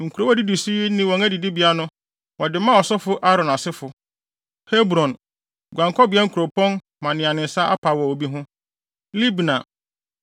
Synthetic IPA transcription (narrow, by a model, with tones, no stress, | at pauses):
ŋ̩˨kʰu˨ɾo˦ɔ˦di˦du˨si˦nɪ̃˦wɔ̃˨ŋæ˦di˨di˦bi˨a˦nʊ̃˦ | wɔ˨dɪ˨mã˦ɔ˨sɔ˦fʊ˦ʔa˦ɾɔ̃˨na˨sɪ˦fʊ˨ | he˦bɾɔ̃˨n | ɡʷã˨ŋkʰɔ˦bi˦ɛ˦ŋ̩˦kʰu˨ɾo˨pʰɔ̃˦n | mã˨nɪ̃˨a˨nɪ̃˨n̩˨sa˦a̰˦pʰa˨wɔ˨o˨bi˦ɦʊ̃˦ | li˦bnã̰˨